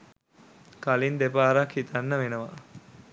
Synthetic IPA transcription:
kalind̪epaːɾakhit̪anːəʋenəʋa̰

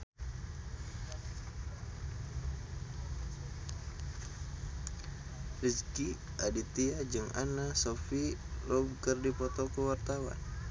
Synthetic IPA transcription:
riski | adit̪iad͡ʒɨŋʔa̰nasɔfilɔb̚kərdipɔt̪ɔkuwart̪awa̰n

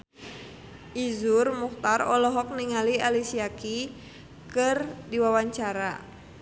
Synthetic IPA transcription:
ʔizurmuht̪arɔlɔɦɔk̚niŋalialisiaki | kɨrdiwawaɲt͡ʃaɾa

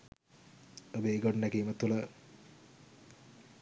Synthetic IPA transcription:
obeːɡoɖnækiːmət̪ulə

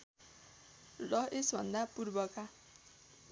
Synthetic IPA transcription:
lʌesbʱʌ̰nd̪apurbʌka

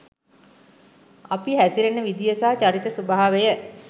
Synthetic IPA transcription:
apiɦæsiɾenːəʋid̪ijəsaɦt͡ʃaɾit̪əsubaɦaʋejə

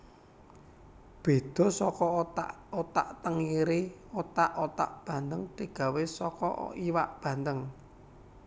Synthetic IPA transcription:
b̥e̤d̪̥ɔ̤sɔkɔa̰ | ot̪a̰ʔt̪əŋiɾiot̪aʔot̪a̰ʔb̥ä̤nd̪əŋd̪̥i̤ɡ̥a̤wesɔkɔ̰iwaʔb̥ä̤nd̪əŋ

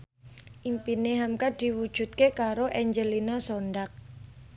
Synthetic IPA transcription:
ʔimpineɦamkad̪̥i̤wud̥ʒ̥ṳt̪̚kekaɾoʔɛɲd͡ʒəlinasonɖak̚

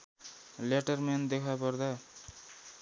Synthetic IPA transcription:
leʈʌrmend̪ekʰapʌrd̪a

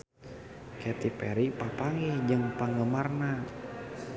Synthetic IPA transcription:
kʰɛt̪ipɛɾipapaŋid͡ʒɨŋpaŋɡəmarna

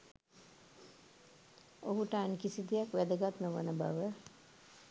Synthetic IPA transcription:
oɦuʈaːnkisid̪ijakʋɛd̪əɡat̪nəʋə̰nəba̰ʋə

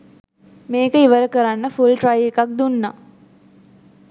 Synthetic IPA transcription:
meːkəiʋəɾəkəɾanːəfulʈrajekak̚d̪unːa

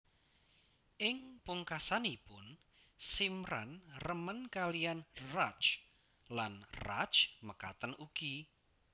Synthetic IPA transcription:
ʔɪŋpuŋkasanipʊn | simɾa̰nrəmənkalijanrat͡ʃ | lanra̰t͡ʃməkat̪ənuɡ̥i

